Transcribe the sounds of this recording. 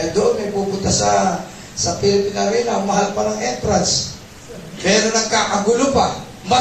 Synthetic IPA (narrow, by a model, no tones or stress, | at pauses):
jd̪oʔonmɐjpupʊnt̪asa | sɐpilɪpɪnaminamɐɦalpanaŋɛnt̪ɾans | mɛːɾonɐŋkaːʔaɡulʊpa | ma